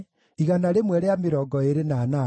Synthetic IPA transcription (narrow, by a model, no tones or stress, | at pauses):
iɣanaɾemwɛɾeameɾɔɡɔeɾenaːna